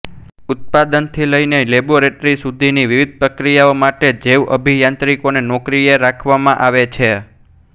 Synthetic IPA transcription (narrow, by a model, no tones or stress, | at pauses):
ʊt̪̚pad̪ənt̪ʰiləineleboɾeʈɾisud̪ʱiniʋiʋid̪̚ʱpɾəkɾijaomaʈed͡ʒeʋʔəbʱijãnt̪ɾikonenɔkɾijeɾakʰʋamãʔaʋet͡ʃʰe